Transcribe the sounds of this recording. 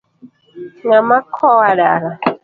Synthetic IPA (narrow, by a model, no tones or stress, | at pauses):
ŋamakʰɔwaɺaɾa